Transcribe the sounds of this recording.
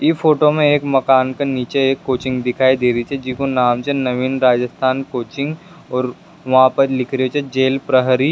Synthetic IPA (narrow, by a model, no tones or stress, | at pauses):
ifʰoːʈomẽeːkmɐkaːnkaniːt͡ʃeeːkːoːt͡ʃɪ̃ŋɡd̪ɪkʰaːid̪eːɾit͡ʃʰɛd͡ʒɪkonaːmt͡ʃʰɛnɐʋiːnɾaːd͡ʒəst̪ʰaːnkoːt͡ʃɪ̃ŋɡ | ɔːɾ | ʋɐɦãpɐɾlɪkʰɾɦot͡ʃʰɛd͡ʒeːlpɾəɦɾi